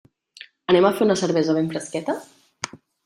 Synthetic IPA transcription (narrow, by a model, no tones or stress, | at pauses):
ənɛmafeɾunəsəɾβɛzəβeɱfɾəskɛt̪ə